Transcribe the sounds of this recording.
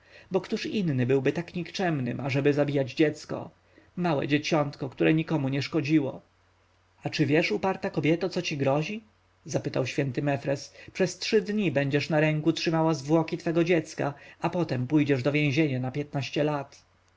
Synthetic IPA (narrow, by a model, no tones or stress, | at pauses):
bɔkt̪uʂinːɘbɘwbɘt̪akɲikt͡ʂɛmnɘ̰maʐɛbɘzabʲijad͡ʑd͡ʑɛt̪skɔ̰ | mawɛ̰d͡ʑet͡ɕɔnt̪kɔkt̪uɾʔɛɲikɔmuɲɛʂkɔd͡ʑiwɔ̰ | at͡ʂɘvʲjɛʂupaɾt̪akɔbʲjɛt̪at̪sɔt͡ɕiɡɾɔʑi | zapɘt̪awɕfʲjɛnt̪ɘmɛfɾɛspʂɛstʂɘd̪ɲibɛɲd͡ʑɛʂnaɾɛŋkutʂɘmawazvwɔkʲit̪fɛɡɔd͡ʑɛt̪ska̰apɔt̪ɛmpujd͡ʑɛʐd̪ɔvʲjɛ̃ʑeɲanapʲjɛt̪̚naɕt͡ɕɛlat̪